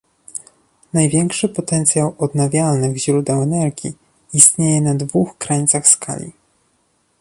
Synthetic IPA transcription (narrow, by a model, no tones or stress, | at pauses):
najvʲjɛŋkʂɘpɔt̪ɛnt̪sʲjawɔd̪navʲjalnɘɣʑɾud̪ɛwɛnɛɾɡʲḭ | ist̪ɲejɛnad̪vuxkɾaɲit̪saxskʰa̰lʲḭ